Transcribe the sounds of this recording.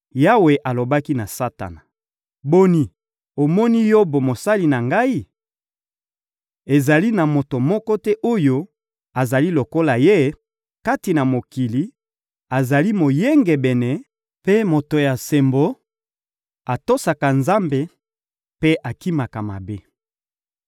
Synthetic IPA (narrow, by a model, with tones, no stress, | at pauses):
ja˦we˨ʔa˨lo˨ba˦ki˦na˨sa˦ta̰˨na˨ | bo˦ni˨ | o˨mɔ˦ni˦jɔ˦bo˨mo˨sa˦li˨na˨ŋɡa˦i˦ | e˨za˨li˦na˨mo˨to˨mɔ˦kɔ˦tɛ˦ʔo˦jo˦ | a˨za˨li˦lo˨ko˦la˨je˦ | ka˦ti˨na˨mo˨ki˨li˨ | a˨za˨li˦mo˨je˦ŋɡɛ˨bɛ˨nɛ˨ | pe˦mo˨to˨ja˨se˨mbo˨ | a˨to˦sa˨ka˨nza˦mbe˨ | pe˦ʔa˨ki˦ma˨ka˨ma̰˨be˦